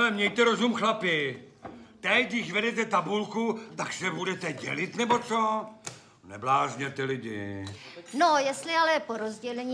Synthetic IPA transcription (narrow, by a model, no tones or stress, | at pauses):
lɛmɲɛjt̪ɛɾo̞zumxlapɪ | t̪ɛcdɪʃvɛdɛt̪ɛt̪abulkut̪aksɛbudɛt̪ɛɟɛ̰lɪt̪nɛbo̞t͡so | nɛblaːʒɲɛt̪ɪlɪɟɪ̰ | nojɛst̪lɪalɛpoɾozɟɛlɛɲiː